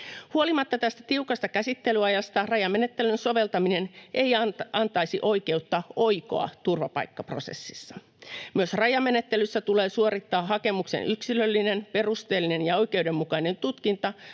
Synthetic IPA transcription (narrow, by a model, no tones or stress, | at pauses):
huo̞limɑt̪ːɑt̪æst̪æ̥t̪iukɑst̪ɑkæsit̪ːe̞lyɑjɑst̪ɑrɑjɑmːenet̪ːelynso̞ʋe̞lt̪ɑmine̞nʔe̞ijɑnt̪ɑisiʔo̞ike̞ut̪ːɑo̞jko̞̰ɑ̰t̪urʋɑpɑ̰ikːɑpro̞̰sḛsːisːɑ̥ | myøsrɑjɑmːe̞net̪ːelysːæt̪ule̞ːsuoɾit̪ːɑːɦɑke̞muksḛnʔyksilølːine̞npe̞rust̪e̞ːlːine̞njɑo̞jk̟e̞wde̞mːukɑine̞nt̪ut̪kint̪ɑ